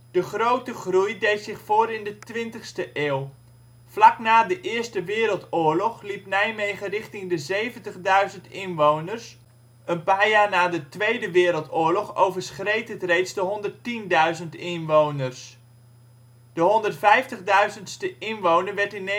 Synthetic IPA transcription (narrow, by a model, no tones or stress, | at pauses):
d̥əχrowtəχrujdejtsɪχfʊːɾɪndətʋɪntəχstəʔeːlˠ | flaknaːdəʔɪːəɹstəʋɪːɾəlˠtʊːɹlɔχlipnɛjmejχərɪχtɪŋdəzejvəntəχdœɥzəntɪnʋownərs | ənpaːɹjaːɹnaːdətʋejdəʋɪːɾəlˠtʊːɹlɔχowvəɹsχrejtətrejtsdəɦɔndərtindœɥzəntɪnʋownərs | d̥əɦɔndərtfɛjftəχdœɥzəntstəɪnʋownəɹʋɛɹtɪn